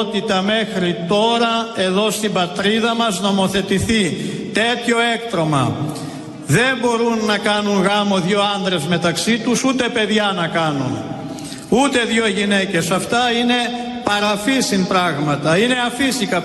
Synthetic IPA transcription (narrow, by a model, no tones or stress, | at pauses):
t̪it̪ɐme̞xɾit̪o̞ɾɐe̞ðo̞st̪ibɐt̪ɾiðɐmɐzno̞mo̞θe̞t̪iθi | t̪e̞t̪ço̞e̞kt̪ɾo̞mɐ̰ | ðe̞mbo̞ɾunːɐkɐnuŋɣɐmo̞ðʝo̞ɐnðɾe̞zme̞t̪ɐksit̪usut̪e̞pe̞ðʝɐnɐkɐnun | ut̪e̞ðʝo̞ʝine̞ce̞sɐft̪ɐine̞ | pɐɾɐfisimpɾɐɣmɐt̪ɐine̞ɐfisikɐ